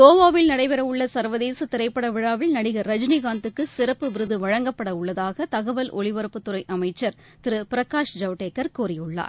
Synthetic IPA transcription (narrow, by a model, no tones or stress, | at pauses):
ɡoːʋaːʋɪlnɐɽɐɪpɛɾɐʊɭːɐsɐɾʋɐðeːsɯt̪ɪɾɐɪpːɐɽɐʋɪɻaːʋɪlnɐɽɪɣɐɾɐd͡ʒniɣaːnt̪ɯkːɯsɪɾɐpːɯʋɪɾɯðɯʋɐɻɐŋɡɐpːɐɽɐʊɭːɐðaːɣɐt̪ɐɣɐʋɐlʔɔ̰ɻɪʋɐɾɯpːɯt̪ːʊɾɐɪʔɐmɐɪt͡ʃːɐɾ | t̪ɪɾɯpɪɾɐkaːʂd͡ʒɐʋʈeːkːɐɾkuːrɪjɯɭːa̰ːɾ